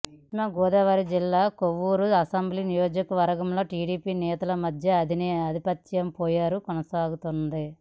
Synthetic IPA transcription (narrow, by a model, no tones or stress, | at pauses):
mɐɡɔːd̪ɐʋaːɾid͡ʒilːaːkoʋːuɾuɐsɐmblinijoːd͡ʒɐkɐʋɐɾɡɐmlo̞ːʈiːɽiːpiːnɛːt̪ɐlɐmɐd̪ʱjɐːd̪inɐd̪ʱipɐt̪jɐmpɔːjaːɾukɔnɐsaːɡut̪und̪i